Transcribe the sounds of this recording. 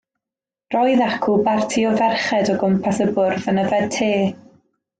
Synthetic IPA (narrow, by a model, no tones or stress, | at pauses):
rɔjðakʰʊbartʰiɔvɛrχɛdɔɡʊmpʰaθəbʊrvənəvɛd̚tʰeː